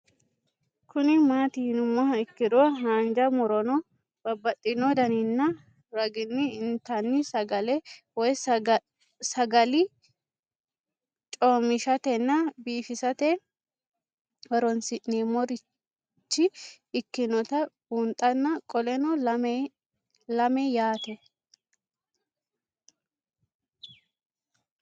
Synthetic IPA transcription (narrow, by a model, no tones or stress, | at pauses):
kʊnɪmaːt̪ɪhnʊmːɔhɐɪkːɪd̪ɔɦaːnd͡ʒɐmɔɾɔnɔ | b̥ɐbːɐt̪ʼːɪnɔd̪ɐnɪnːɐ | ɾɐɡɪnːɪɪnt̪ɐnːɪsɐɡɐlɛwɔj | sɐɡɐlɪ | t͡ʃʼomɪʃɐt̪ɛnːɐbiːfɪsɐt̪ɛ | wɐɾɔnsɪʔneːmɔɾɪ | t͡ʃːɪ | ɪkːɪnɔt̪ɐbunt̪ʼɐnːɐkʼɔlɛnɔlɐ | lɐmɛjaːt̪ɛ